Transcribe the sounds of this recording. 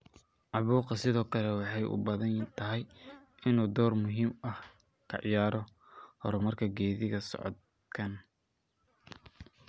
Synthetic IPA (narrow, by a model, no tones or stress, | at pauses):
ʕɑβuːqɐsɪðɔːkʰɐlɛwɑħɑjʔʊ̰bɐðɐnt̪ʰɐɦɛj | ʔɪnuːd̪ɔːrmʊɦiːmɐh | kʰɐ̰ʕɪjaːɾɔ | hɔɾɐmɐrkʰɐɡɛːðɪɣɐsɔ̰ʕɔ̰d̪̚ | kʰɐn